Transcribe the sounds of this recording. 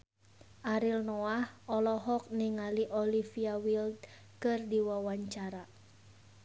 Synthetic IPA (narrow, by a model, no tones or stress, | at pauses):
ʔaɾilnɔahɔlɔɦɔk̚niŋaliʔɔlifiawild̪̚ | kɨrdiwawaɲt͡ʃaɾa